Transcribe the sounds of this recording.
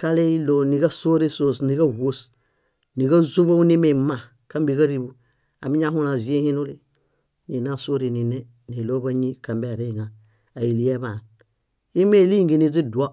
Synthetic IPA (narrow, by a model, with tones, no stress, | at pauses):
ka˦le˦lo˦ni˨ɡa˦so˦ɾi˦so˦sni˨ka˦wo˦s | ni˨ɡa˦zu˦ba˦u˦ni˦me˨ma˨ | ka˦mbi˨ka˦ɾi˦bu˨ | a˨mi˦ɲa˦ɦu˦la˨zi˨˦e˦hĩ˦nu˦li˦ | ni˨na˦so˦ɾi˨ni˨ne˦ | ni˨lo˦ba˦ɲi˦ka˨mbe˨ɾe˦ŋa˨ | a˨i˨li˦e˦ba˨n | i˦me˦li˦ŋɡi˨ni˦zi˦du˨a˦